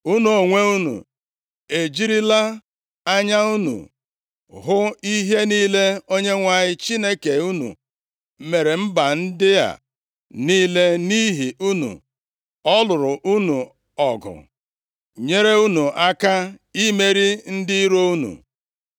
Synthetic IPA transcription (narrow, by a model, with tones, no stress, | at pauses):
u˦nu˨o˨ŋʷe˦u˦nṵ˨ | e˨d͡ʒi˦ɾi˦la˦ | a˦ɲa˦u˦nṵ˨ | ɦʊ˦i˦ɦe˦niː˦le˦o˦ɲe˦ŋʷa˦˨ɲɪ˦t͡ʃi˦ne˦ke˨u˦nṵ˨ | me˨ɾe˨m̩˦ba˨n̩˦dɪ˦a̰˨ | niː˦le˦ni˦ɦi˨u˦nṵ˨ | ɔ˦lʊ˨ɾʊ˨ʔu˦nu˨ | ɔ˨ɡʊ̰˨ | ɲe˦ɾe˦u˦nu˨ʔa˦ka˦i˦me˦ɾi˦n̩˦dɪ˦i˦ɾo˦u˦nṵ˨